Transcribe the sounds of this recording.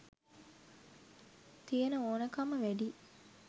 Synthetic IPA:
t̪ijenəoːnɐkɐməʋæɖi

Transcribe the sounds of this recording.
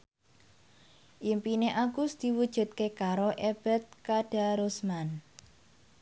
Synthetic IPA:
ʔimpineʔaɡusd̪̥i̤wud̥ʒ̥ṳt̪̚kekaɾoʔeb̥ɛ̤t̪̚kaɖ̥a̤ɾosman

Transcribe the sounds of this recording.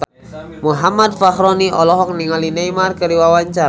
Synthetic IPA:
muɦamad̪̚faxɾɔniʔɔlɔɦɔk̚niŋalinejmarkəɾiwawaɲt͡ʃaɾ

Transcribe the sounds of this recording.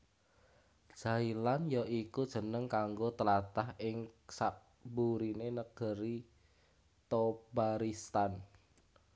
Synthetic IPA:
ʒ̥a̤ilanjaʔikud̥ʒ̥ə̤nəŋkaŋɡot̪əlat̪ahɪŋsaʔ | buɾinenəɡ̥ə̤ɾi | t̪obaɾist̪an

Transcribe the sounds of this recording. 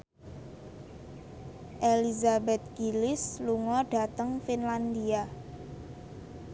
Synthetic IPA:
ʔelizabɛt̪̚ɡ̥ilɪsluŋɔɖ̥a̤t̪əŋfinland̪ia

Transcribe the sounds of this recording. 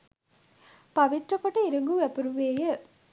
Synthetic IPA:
pɐʋit̪ɾəkoʈəiɾuŋɡuʋæpəɾuʋeːjə

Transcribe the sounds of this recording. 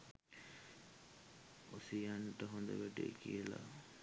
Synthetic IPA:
osijaɳʈəɦond̪əʋæʈekijəla̰

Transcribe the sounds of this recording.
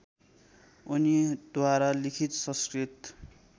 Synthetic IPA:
unid̪waɾalikʰit̪sʌskrit̪

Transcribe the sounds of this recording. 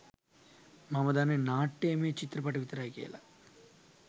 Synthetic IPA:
mamɐd̪aːnenaːʈːeːmeːt͡ʃit̪ɾɐpɐʈɐʋit̪ɐɾaːjkḛːlɐ

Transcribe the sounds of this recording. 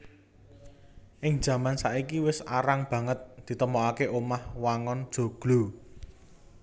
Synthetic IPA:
ʔɪŋ̥ʒ̥ä̤mansaʔikiwɪsa̰ɾaŋb̥ä̤ŋət̪̚d̪̥i̤t̪əmɔakeʔomahwaŋɔnd̥ʒ̥o̤ɡ̥lo̤

